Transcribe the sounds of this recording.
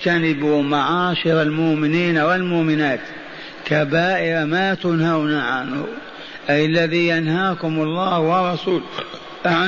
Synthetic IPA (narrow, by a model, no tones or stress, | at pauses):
kanɪbumaʕaːʃɪɾalmʊʔmɪniːnawɪlmʊʔmɪnaːt̪ | kabaːʔɪɾamat̪ʊnhawnaʕanhʊ̰ | ʔajalːaðiːjanhaːkʊmʊlˤːɑːhwɑrˤːɑsuːl | ʔaʕ